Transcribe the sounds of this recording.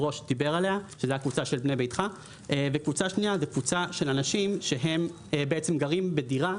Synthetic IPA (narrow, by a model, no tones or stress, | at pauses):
ʁo̞ʃdibe̞ʁale̞aʃezeakvut͡saʃe̞lbne̞jbejtχa | ʔvekvut͡saʃniazekvut͡saʃe̞lanaʃimʃe̞ɦe̞m | beʔet͡semɡaʁimbediʁa